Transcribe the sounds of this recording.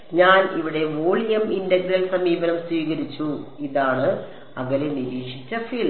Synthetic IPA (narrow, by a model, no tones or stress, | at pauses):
ɲaːniʋiɽe̞ʋoːɭijɐmindɐɡɾɐlsɐmiːbɐnɐmswiːɣɐɾit͡ɕːuiðaːɳɨ | ɐʋɐleniɾiːkʂi̥t͡ɕːɐfiːl